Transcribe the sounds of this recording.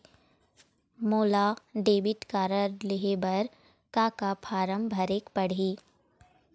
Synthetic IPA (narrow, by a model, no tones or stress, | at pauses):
moːlaɖeːbɪʈ̪kaːɾəɾlɪɦebɐɾ | kaːkapʰaːɾəmbʱɐɾeːkpɐɽ̤iː